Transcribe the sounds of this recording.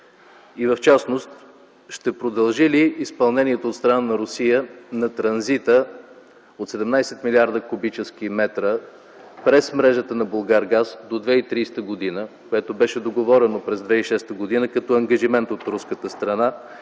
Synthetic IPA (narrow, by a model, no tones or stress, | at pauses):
ivɐft͡ʃasnost̪ | ʃt̪ɛpɾod̪ɐlˠʒiliːspɐlˠnɛniɛt̪oːt̪st̪ɾɐnanɐɾosijənɐt̪ɾɐnzit̪ə | ot̪sɛd̪ɛmnajsɛt̪miliaɾd̪əkʊbit͡ʃɛsk̟imɛt̪ɾə | pɾɛsmɾɛʒət̪ənɐbolˠɡaɾɡasd̪od̪vɛit̪ɾiːst̪əɡod̪inəkoɛt̪obɛʃɛd̪oɡovɔɾɛnopɾɛzd̪vɛiʃɛst̪əɡod̪inəkɐt̪ɔɐŋɡəʒimɛnt̪ot̪ɾuskət̪əst̪ɾɐna